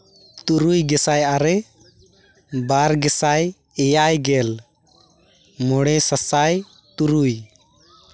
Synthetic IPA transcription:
t̪uɾujɡɛsajaɾɛ | baɾɡɛsaj | ɛjajɡɛl | mɔɽ̃ɛsasaj | t̪uɾuj

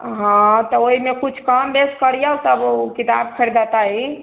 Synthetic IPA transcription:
ɦãt̪ɔoimekut͡ʃʰkambeskəɾjausəbukit̪a̰b̚kʰəɾid̪at̪ai

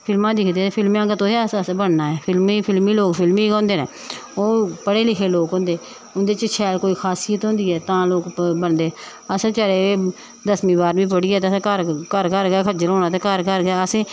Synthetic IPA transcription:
pʰɪlmãːd̪ɪkʰd̪eːepʰɪlmãːɡət̪õːɦeːsəsbəɳnaːɛːpʰɪlmiːpʰɪlmiːloːkpʰɪlmiːkãːnd̪eːnɛː | oːpəɽeːlɪkʰeːloːkɦõnd̪eː | ʊnd̪eːt͡ʃət͡ʃʰɛːlkoːiːkʰaːsiːət̪ɦõːnd̪iːɛːt̪ãːloːkbəɳd̪eː | əst͡ʃəɾeːeː | d̪əsmĩːbaːɾʋĩːp̬əɽiːɛːt̪eskəɾkəɾkəɾɡɛːkʰəd͡ʒəɾɦõːnaːt̪ẽkəɾkəɾɡɛːəsẽː

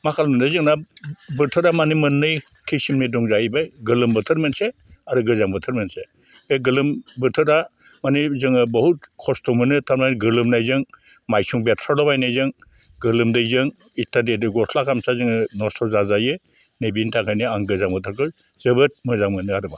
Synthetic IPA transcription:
makʰalmɯndɯjzɯŋnabɯɾtʰɯɾamanimɯnːɯj | kʰisimnidɔŋzaibajɡɯlɯmbɯtʰɯɾmentse | aɾɯɡɯzaŋbɯtʰɯɾmense | beɡɯlɯmbɯɾtʰɯda | manizɯŋɯbɔhut̚kʰɔstɔmɯnɯtʰaɾmajnɡɯlɯmnajzɯŋ | majsuŋbetʰɾalɔbajnajzɯŋ | ɡɯlɯmdɯjzɯŋ | itadetɯɡɔslakʰamsazɯŋɯnɔsɔzazajɯ | nebintʰaŋkʰajnɯaŋɡɯzaŋbɯtʰɯɾkɯ | zɯbɯt̚mɯzaŋmɯnɯaɾɯba

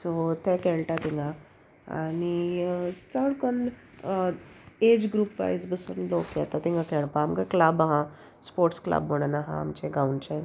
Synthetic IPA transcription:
sot̪ekɛɭʈat̪iŋɡa | a̰ni | t͡saʋɽkɔn | ed͡ʑɡɾuːpʋa̰jzbəsṵːnlokjɛt̪at̪ĩŋɡakɛɭpamkaklabaɦã | spoɾʈskla̰bməɽ̃ənaɦã̰a̰mt͡ɕeɡauɳt͡ɕan

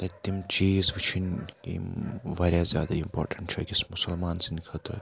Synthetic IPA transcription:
t̪ɐt̪ːimt͡ʃiːzʋit͡ʃʰinkḭʋaːɾʲjazja̰ːd̪aimpo̰ːɾʈɐɳʈt͡ʃʰɛ̰kʲismʊsɐlmaːnsinikʰət̪ɾɐ

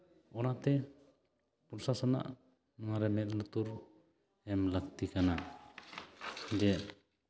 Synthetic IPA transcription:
ɔnat̪ɛ | puɾsasɔna̰ʔ | nɔŋaɾɛmɛt̪̚lut̪uɾ | ɛmlak̚t̪ikana | d͡ʒɛ

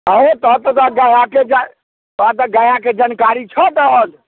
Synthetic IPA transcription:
əɦet̪ɔt̪ɔt̪aɡajaked͡ʒa | oat̪̬ɔɡajaked͡ʒankaɾit͡ʃʰət̪əɦəl

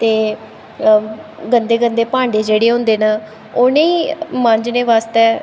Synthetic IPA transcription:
t̪eː | ɡənd̪eːɡənd̪eːpãːɳɖeːd͡ʒeːɽeːɦʊ̃nd̪eːna | ʊneiːmə̃ɲd͡ʒneːʋaːst̪ɛː

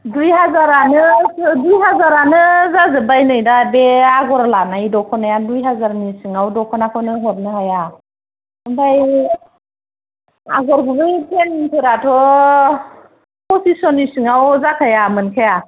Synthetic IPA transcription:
dujɦazaɾanɯdujɦazaɾanɯzazɯbajnɯjdabeaɡɔɾalanajdɔkʰɔnajadujɦazaɾnisɯŋawdɔkʰɔnakʰɯwnɯɦɔɾ̚nɯɦaja | ɯbaj | a̰ɡɔɾɡɯbɯjpeniŋtʰɯɾatʰɔ | pʰɔsisɔnisɯŋawzakʰajamɯnkʰaja

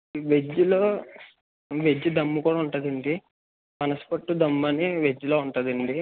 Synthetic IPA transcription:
ʋed͡ʒːulo̞ː | ʋed͡ʒːud̪ɐmːukuːɽaːuɳʈuːd̪ɐɳɖi | mɐnɐsu̥pɐʈːud̪ɐmːɐniʋed͡ʒːuloːuɳʈɐːd̪ɐɳɖi

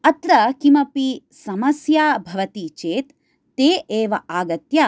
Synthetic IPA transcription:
ɐt̪ɾɐkimɐpi | sɐmɐsjaːbʱɐʋɐt̪it͡ʃeːt̪ː | eːʔeːʋɐʔaːɡɐt̪ja

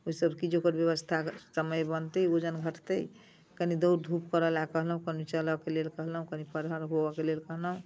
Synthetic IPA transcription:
oisəbʱkid͡ʒokəɾbjəβəst̪ʰasəməjbənt̪əod͡ʒənɡʱəʈt̪əj | kənid̪əwɾd̪ʱupkəɾəlakəɦləɦũkənit͡ʃələkelelkəɦləɦũkənipəɾɦəɾɦobəkelelkəɦləɦũ

